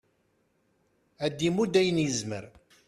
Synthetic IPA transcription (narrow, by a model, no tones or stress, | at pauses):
æd̪ːimud̪æjənjəzmə̰ɾ